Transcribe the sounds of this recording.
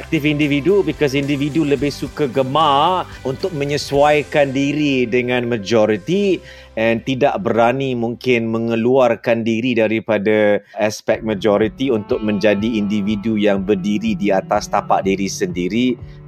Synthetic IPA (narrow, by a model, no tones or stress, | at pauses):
ɛk̚t̪ɪfindividubikɔs̬individuləbɪhsukaɡəmarunt̪ʊk̚mə̃ɲəswajkandiɾidəŋãnməd͡ʒɔɾit̪i | ɛnt̪idaʔbəɾanimuŋkɪnmə̃ŋəluarkandiɾidaɾipadaʔaspɛk̚məd͡ʒɔɾit̪iunt̪ʊk̚mə̃ɲd͡ʒadiːndividujaŋbərdiɾidiat̪ast̪apa̰ʔ̚diɾisəndiɾi